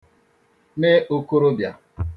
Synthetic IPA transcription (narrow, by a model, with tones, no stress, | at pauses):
me˦ʔo˦ko˦ɾo˦bja˨